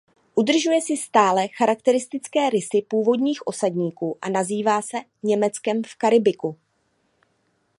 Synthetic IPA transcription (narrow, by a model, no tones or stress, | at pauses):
ʔudr̩ʒujɛsɪst̪aːlɛxaɾak̚t̪ɛɾɪst̪ɪt͡skɛːɾɪsɪpuːvo̞dɲiːxʔo̞sadɲiːkuːʔa̰naziːvaːsɛ | ɲɛmɛt͡skɛmfkaɾɪbɪku